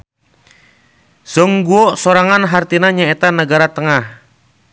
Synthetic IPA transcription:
sɔŋɡuɔsoɾaŋanɦart̪inaɲaet̪anəɡaɾat̪əŋah

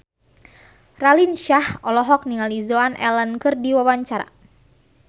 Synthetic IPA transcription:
ralinʃahɔlɔɦɔk̚niŋalizoanʔɛ̰lənkɨrdiwawaɲt͡ʃaɾa̰

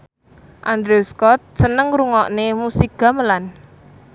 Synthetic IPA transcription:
ʔand̪ɾeuskɔt̪̚sənəŋɾuŋɔʔnemusiɡ̥a̤məlan

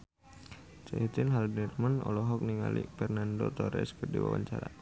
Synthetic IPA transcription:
t͡ʃɛit̪ɪnɦalbnɛrmanɔlɔɦɔk̚niŋalḭfɛrnandot̪ɔɾɛ̰skərdiwa̰wa̰ɲt͡ʃaɾa

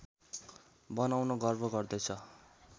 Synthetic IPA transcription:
bʌnawnʌɡʌrbʱʌɡʌrd̪ʌjt͡sʰʌ

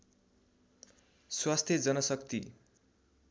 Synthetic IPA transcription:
swast̪ʰjʌd͡zʌnʌsʌkt̪ḭ

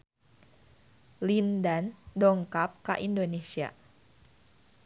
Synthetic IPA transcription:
lindandɔŋkap̚ka̰ʔindonesia̰

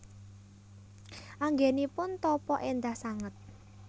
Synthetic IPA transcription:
ʔaŋɡenipʊnt̪ɔpɔʔend̪ahsaŋət̪̚

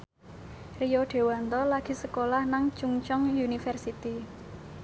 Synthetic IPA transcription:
rijɔɖ̥e̤want̪ɔlaɡ̥i̤səkolahnaŋt͡ʃuŋt͡ʃɔŋjunifərsit̪i

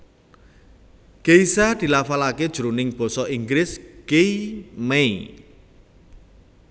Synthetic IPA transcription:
keisad̪̥i̤lafalaked̥ʒ̥ṳɾunɪŋb̥ɔ̤sɔʔiŋɡɾɪskeimei

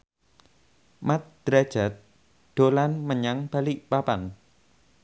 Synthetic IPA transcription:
mat̪̚d̪̥ɾad̥ʒ̥a̤t̪̚ | ɖ̪̥olanməɲaŋb̥a̤liʔpapan

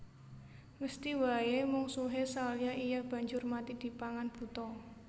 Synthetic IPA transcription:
məst̪iwajemuŋsuɦesalɲaʔijab̥ä̤ɲd͡ʒʊrmat̪id̪̥i̤paŋanb̥ṳt̪ɔ

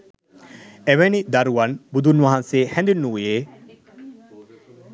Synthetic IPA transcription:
eʋenid̪ɐɾuʋɐnbud̪unʋɐɦɐnseːhænd̪inːuʋjeː

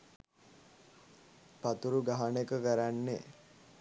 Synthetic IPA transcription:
pat̪uɾuɡaɦanekəkəɾanːe

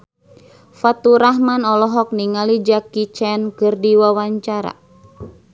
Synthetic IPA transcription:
fat̪uɾaɦmanɔlɔɦɔk̚niŋalid͡ʒakit͡ʃɛnkɨrdiwawaɲt͡ʃaɾa̰

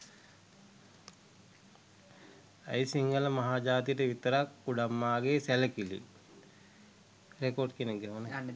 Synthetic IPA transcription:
ə̰jsiŋɡələmaɦaːd͡ʒaːt̪ijəʈəʋit̪əɾakːuɖamːaːɡesæləkilḭ | ɾekorɖkenek̚ɡɛone

